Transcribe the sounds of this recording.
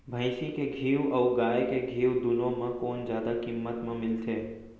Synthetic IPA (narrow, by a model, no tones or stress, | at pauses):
bʱə̃ɪʃikeɡʱiːwɔːɡaːjekeɡʱiːwd̪ʊlõmãkɔːnzjaːd̪akimːət̪mẽmɪlt̪ʰeː